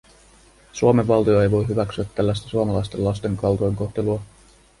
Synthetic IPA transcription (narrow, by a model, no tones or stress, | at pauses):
suome̞ʋːɑlt̪ioe̞jʋo̞jɦyʋæksyæt̪ːælːæst̪æ̥suɑmɑlɑjst̪e̞lːɑjst̪e̞ŋkɑlt̪ojŋko̞xht̪e̞luɑ